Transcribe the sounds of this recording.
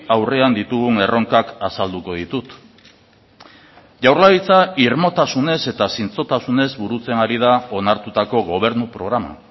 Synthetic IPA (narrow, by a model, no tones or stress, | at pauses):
awre̞and̪it̪uɣuŋe̞ro̞ŋkakasald̪uko̞ð̞it̪ut̪ | ʝawɾlaβit͡saiɾmo̞t̪asune̞se̞t̪asint͡so̞t̪asune̞zβuɾut͡se̞naɾið̞ao̞naɾt̪ut̪ako̞ɣo̞β̞e̞ɾnupɾo̞ɣ̞ɾama̰